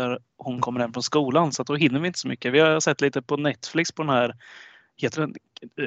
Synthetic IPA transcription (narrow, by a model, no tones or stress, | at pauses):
æɾ | hʊnkʰɔmːəɾhɛmːfɾɔnskuːlansɔat̪̚d̪ɔɦɪnːəɾvɪɪnt̪ə̥sɔmʏkːəvɪhasɛt̪ːliːt̪əpʰɔnɛt̪ːflɪkspʰɔd̪ɛnhæːɾ | heːt̪əɖɛn